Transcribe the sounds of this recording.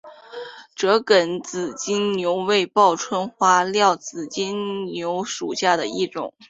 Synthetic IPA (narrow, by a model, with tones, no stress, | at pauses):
ʈ͡ʂɤ˧˥kə˨˩nt͡sɹ̩˨˩t͡ɕi˥ŋnjo˧˥ʊwe˥˧ɪpɑ˥˩ʊʈ͡ʂʰwə˥nxwa˥ljɑ˥˩ʊt͡sɹ̩˨˩t͡ɕi˥ŋnjo˧˥ʊʂu˨˩ɕja˥˩d̪ə˩i˥˩ʈ͡ʂʊ̰˨˩˦ŋ